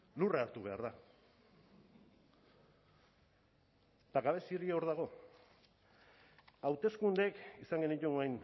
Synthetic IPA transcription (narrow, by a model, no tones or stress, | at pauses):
luraːɾt̪uβ̞e̞a̰ɾða | t̪aɣaβe̞siɾieoɾðaɣ̞o̞ | awt̪e̞skund̪ekisaŋɡe̞nit̪unoajn